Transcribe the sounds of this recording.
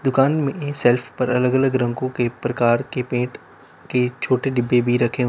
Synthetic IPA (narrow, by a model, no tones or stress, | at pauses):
d̪ʊkaːnmẽsɛːlfʰpɐɾɐləɡələɡɾɐ̃ŋkõkepɾɐkaːɾkepẽːʈ | ket͡ʃʰoːʈeɖɪbːebʱiɾɐkʰe